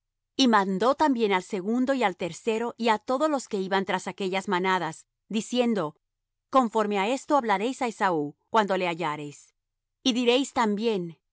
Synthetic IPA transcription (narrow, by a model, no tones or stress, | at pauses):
imãnd̪o̞t̪ambje̞nalse̞ɣund̪o̞ialt̪e̞ɾse̞ɾo̞ʔiat̪o̞ðozlo̞ske̞iβant̪ɾasake̞ʝazmanaðas | d̪isje̞nd̪o̞ | ko̞ɱfo̞ɾme̞ae̞st̪o̞aβlaɾe̞jsaesaukwand̪o̞le̞aʝaɾe̞js | iðiɾe̞jst̪ambje̞n